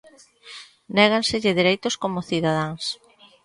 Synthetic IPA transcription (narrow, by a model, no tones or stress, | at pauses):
nɛɣ̞ansɪʎɪðiɾejt̪ʊskomʊθiðaðaŋs